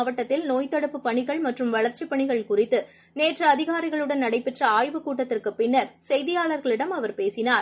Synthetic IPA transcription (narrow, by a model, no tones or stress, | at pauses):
ʋɐʈːɐt̪ːɪlnoːjt̪ɐɽɯpːɯpːɐɳɪɣɐɭmɐʈrɯmʋɐɭɐɾt͡ʃːipːɐɳɪɣɐɭkʊrɪt̪ːɯ | neːʈrɐɐðɪɣaːɾɪɣɐɭɯɽɐnnɐɽɐɪpːɛʈrɐaːjʋɯkuːʈːɐt̪ːɪrkɯpːɪnːɐɾsɛjðɪjaːɭɐɾɣɐɭɪɽɐmɐʋɐɾpeːsɪnaːɾ